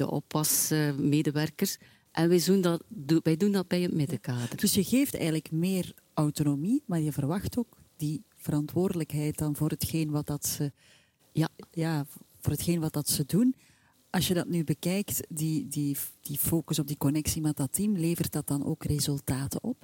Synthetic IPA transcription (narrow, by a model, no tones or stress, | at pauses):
də̰ʔɔ̰pɑsəmeːdəʋɛrkərs | ʔɛnʋɛjzundɑtuʋɛjdundɑt̚bɛjətmɪdəkaːdəd̥ɵsjəɣeːftɛ̰jɣənləkmeːr | ʔœwtonomimaːrjəvərʋɑxtoːkdi | v̥əɾɑntwoːrdələkɦɛjt̚dɑnvoːrɦətxeːnʋɑt̚dɑtsə | jaːvoːrɦətxeːnʋɑt̚dɑtsədun | ʔɑsjədɑtnybəkɛjktdidid̥ifoːkəsɔb̚dikɔnɛksimɛt̚dɑtːimleːvərt̚dɑt̚d̥ɑnʔo̰ːkrezɵlˠtaːtə̰ʔɔp